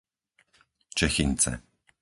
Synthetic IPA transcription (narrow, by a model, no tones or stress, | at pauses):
t͡ʃɛxiɲt͡sɛ̰